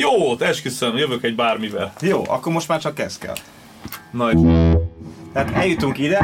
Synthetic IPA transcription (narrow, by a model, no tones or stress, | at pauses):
joːt̪ɛʃkøsøjøvøkɛɟ̚baːrmivɛ̰ljo̰ːʔɒ̰kːoɾmo̞ʃt̪maːrt͡ʃɒkːɛskɛ̰l | nɒjo | t̪ɛaːt̪ɛljut̪uŋkid̪ɛ